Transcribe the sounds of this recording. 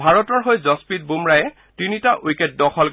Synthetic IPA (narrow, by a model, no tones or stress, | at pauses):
bʱaɹɔtɔɹɦojzɔspit̚bumɹajɛ | tinitaʔujkɛt̚dɔxʰɔl